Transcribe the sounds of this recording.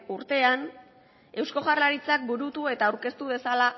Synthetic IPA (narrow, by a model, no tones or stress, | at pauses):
uɾt̪e̞an | e̞wsko̞ʝarlaɾit͡sak̚buɾut̪ue̞t̪aːwɾke̞st̪uβ̞e̞sala